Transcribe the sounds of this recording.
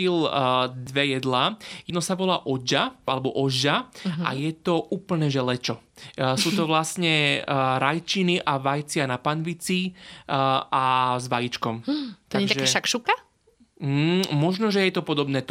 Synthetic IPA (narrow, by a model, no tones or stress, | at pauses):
ild̪ʋɛjɛd̪laːjɛnɔsaʋɔlaːʔɔd͡ʒaalɛbɔʔɔʒaa̰jɛt̪ɔʔuːpl̩nɛːʒɛlɛt͡ʃɔ | suːt̪ɔʋlasɲɛɾajt͡ʃiniʔaʋajt͡sɪanapanʋit͡si | azʋajit͡ʃkɔmt̪aɡt̪aʒɛʃakʃuka | mɔʒnɔʒɛjɛt̪ɔpɔd̪ɔbnɛːt̪